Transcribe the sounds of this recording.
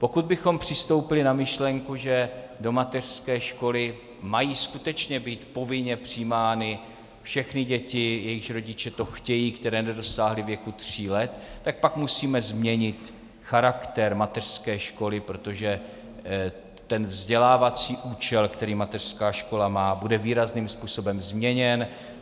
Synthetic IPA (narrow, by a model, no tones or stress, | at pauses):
po̞kud̪̚bɪxo̞mpr̥ɪst̪o̞wpɪlɪnamɪʃlɛŋkuʒɛdo̞mat̪ɛr̥skɛːʃko̞lɪ | majiːskut̪ɛt͡ʃɲɛbiːt̪po̞vɪɲɛpr̝̥iːmaːnɪ | fʃɛxnɪɟɛcɪjɛjɪxɾo̞ɟɪt͡ʃɛt̪o̞xcɛjiːkt̪ɛɾɛːnɛdo̞saːɦlɪvjɛkut̪r̝̥iːlɛt̪ːak̚pakmusiːmɛzmɲɛɲɪt̪ | xaɾakt̪ɛɾmat̪ɛr̥skɛːʃko̞lɪpɾot̪o̞ʒɛ | t̪ɛnvzɟɛlaːvat͡siːʔuːt͡ʃɛlkt̪ɛɾiːmat̪ɛr̥skaːʃko̞lamaːbudɛviːɾazniːmspuːso̞bɛmzmɲɛɲɛn